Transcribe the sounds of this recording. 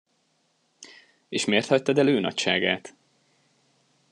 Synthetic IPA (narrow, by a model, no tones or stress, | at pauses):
eːʃmeːrt̪hɒc̚t̪ɒd̪ɛløːnɒ̰cʃaːɡaːt̪